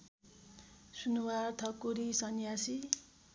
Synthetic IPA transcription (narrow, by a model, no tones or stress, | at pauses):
sunuwart̪ʰʌkuɾisʌnjasi